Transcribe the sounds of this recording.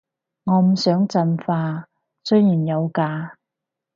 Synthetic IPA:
ŋɔː˨˧m̩˨˩sœː˨˥ŋt͡sɐ˧nfaː˧ | sɵ˥jjiː˨˩njɐ˨˧wkaː˧

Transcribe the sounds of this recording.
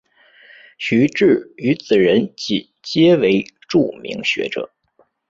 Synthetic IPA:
ɕy˧˥ʈ͡ʂɻ̩˥˩y˧˥t͡sɹ̩˨˩ɻə˧˥nt͡ɕi˨˩ | t͡ɕjɛ˥we˧˥ɪʈ͡ʂu˥˩mḭ˧˥ŋɕɥɛ̰˧˥ʈ͡ʂɤ̰˨˩˦

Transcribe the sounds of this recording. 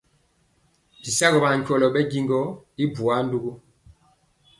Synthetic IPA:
bi˨sa˦ɡɔ˨ba˨ɲ˨kwɔ˨lɔ˨ɓɛ˦ɡi˦ŋɡɔ˦i˦bu˨a˦n˦du˦ɡu˦

